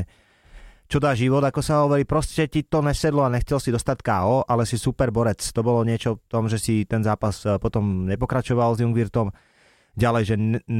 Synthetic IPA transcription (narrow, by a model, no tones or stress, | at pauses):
t͡ʃɔd̪aːʒiʋɔd̪akɔsaɦɔʋɔɾiːpɾɔscɛt̪it̪ɔɲɛsɛd̪lɔaɲɛxt͡sɛlsid̪ɔst̪acka̰ːɔːʔalɛsisupɛɾbɔɾɛt͡st̪ɔbɔlɔɲɪɛt͡ʃɔft̪ɔmʒɛsit̪ɛnzaːpaspɔt̪ɔmɲɛpɔkɾat͡ʃɔʋalzjuŋɡʋiɾt̪ɔm | ɟalɛjʒɛn